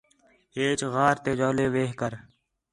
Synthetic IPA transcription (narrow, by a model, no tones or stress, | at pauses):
eːt͡ʃɣaːɾt̪eːd͡ʒaːleːʋeːɦkəɾ